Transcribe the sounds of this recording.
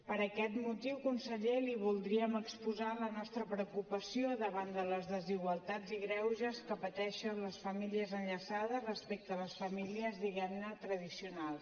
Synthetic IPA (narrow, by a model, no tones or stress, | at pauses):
pəɾəkɛt̪mut̪iwkunsəʎeliβ̞ulˠd̪ɾiəməkspuzalənɔst̪ɾəpɾəukupəsioðəβand̪ələzðəziɣwəlˠt̪ad͡ziɣɾɛwʒəskəpət̪ɛʃənləsfəmiliəzənʎəsað̞əzrəspek̚t̪əːləsfəmiliəzðiɣɛmnət̪ɾəð̞isiunalˠs